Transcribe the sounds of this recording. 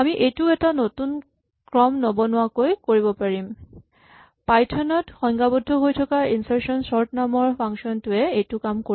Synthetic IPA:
amiʔejtuɛtanotun | kɹɔmnobɔnʊwakojkoɹibɔpaɹim | pajtʰɔnɔtxɔŋɡabɔdʱːɔɦojtʰɔkaɹinsaɹsɔnsɔɹtnamɔɹpʰaŋsɔntʊɛetʊkamko

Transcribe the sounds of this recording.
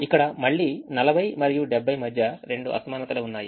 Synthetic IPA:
ikːɐɽɐmɐɭːiːnɐlɐbʱɐjmɐɾijuɖebʱːɐjmɐd̪ʱjɐɾe̞ɳɖuʔɐ̰sɐmaːnɐt̪ɐluunːaːji

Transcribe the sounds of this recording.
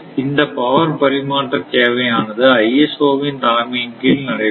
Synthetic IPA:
ɪnd̪ɐpɐʋɐɾpɐɾɪmaːʈrɐt̪eːʋɐjaːnɐðɯɐjɛsoːʋɪnt̪aːmiːnkɪlnɐɽɐɪ

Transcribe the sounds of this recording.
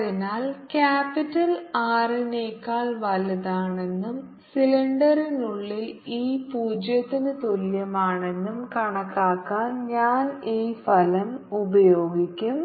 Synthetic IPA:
ðinaːlkaːpːitːɐlaːrineːkːaːɭʋɐlɐðaːɳe̞nːum | siliɳɖɐrinuɭːiliːpuːd͡ʑjɐt̪ːinɨt̪oljɐmaːɳe̞nːumkɐɳɐkːaːkːaːnɲaːniːfɐlɐmubɐjo̞ːɡikʲːum

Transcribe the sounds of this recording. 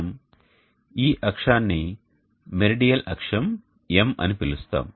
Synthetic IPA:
m | iːʔɐkʂaːnːi | meɾiɖijɐlɐkʂɐm | emɐ̰nipilust̪a̰ːm

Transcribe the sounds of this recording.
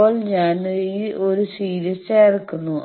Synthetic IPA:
oːɭɲaːniʔo̞ɾusiːɾjɐseːrkːunːu

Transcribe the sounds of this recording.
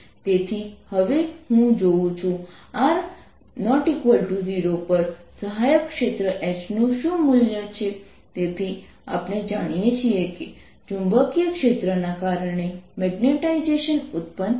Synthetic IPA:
t̪et̪ʰihəʋehũd͡ʒoũt͡ʃʰũaɾ | nəʈikʋəlʈuziɾopəɾsəɦajəkːʃet̪ɾəʔesnũʃũmuljat͡ʃʰe | t̪et̪ʰi | a̰pned͡ʒaɽ̃ijet͡ʃʰieke | d͡ʒũmbəkjəkʃet̪ɾənakaɾəɳ̃emɛɡneʈaid͡ʒeʃənut̪̚pən

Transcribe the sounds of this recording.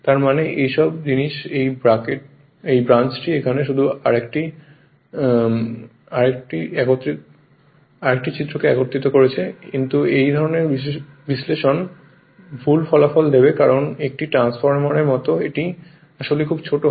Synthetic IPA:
t̪aɾmaneʔejʃɔbd͡ʑiniʃejbɾakeʈ | ejbɾant͡ɕʈiekʰaneʃ̬ud̪ʱuaɾekʈi | aɾekʈiɛɡot̪ːɾi | aɾek̚ʈit͡ɕit̪ːɾokeɛɡoɾt̪it̪okoɾet͡ɕʰekint̪uejd̪ʱɔɾoneɾbi | bisleʃon | bʱulfɔlafɔld̪ebekaɾonek̚ʈiʈɾansfɔɾmaɾeɾmɔt̪oeʈi | aʃolekʰubt͡ɕʰoʈo

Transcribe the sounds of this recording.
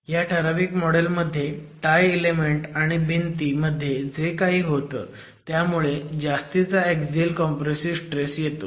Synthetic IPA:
jaʈʰəɾaʋiːkmɔɽelməd̪ʱːjeʈajelemeɳʈaɽ̃ibʱint̪iːməd̪ʱːjed͡zekaɦiːɦot̪ə̰ː | t̪jamuɭed͡ʑast̪it͡saekd͡zilkɔmpɾesisʈɾesjet̪o

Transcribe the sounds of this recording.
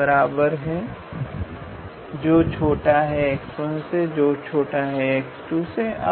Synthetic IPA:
əɾaːbəɾɦɛ | d͡ʒoːt͡ʃʰoːʈaɦɛeːksʈõnsed͡ʒoːt͡ʃʰoːʈaɦɛeksʈuseʔa̰

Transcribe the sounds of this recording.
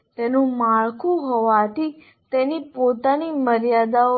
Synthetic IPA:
t̪enũmaɭkʰũɦɔʋat̪ʰi | t̪enipot̪animəɾjad̪ao

